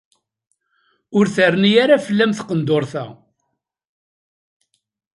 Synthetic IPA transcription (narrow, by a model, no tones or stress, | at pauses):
ʊɾθərnijaɾafəlːæmθqənd̪oɾˤθæ̰